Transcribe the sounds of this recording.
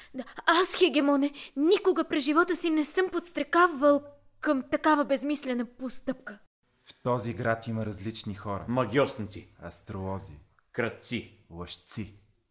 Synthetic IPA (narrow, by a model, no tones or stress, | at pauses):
asxɛɡʲɛmɔnɛnikʊɡəpɾɛʒivɔt̪əsinɛsɤmpot̪st̪ɾɛkavɐlˠ | kəmt̪ɐkavɐbɛzmislɛnəpost̪ɤp̚kə | ft̪ɔziɡɾat̪iməɾɐzlit͡ʃnixɔɾə̰mɐɡʲiɔsnt̪siɐ̰st̪ɾoɔzḭ | kɾɐt̪t̪silˠɐʃt̪si